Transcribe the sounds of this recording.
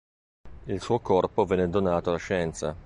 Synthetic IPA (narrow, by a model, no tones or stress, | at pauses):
ilsuːokɔrpovɛnːed̪onaːt̪oalaʃɛnt̪sa